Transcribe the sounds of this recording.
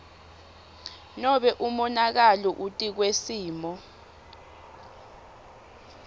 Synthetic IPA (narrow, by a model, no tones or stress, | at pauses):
nɔɓɛʔumɔnak̬alɔʔutʼik̬wesiːmɔ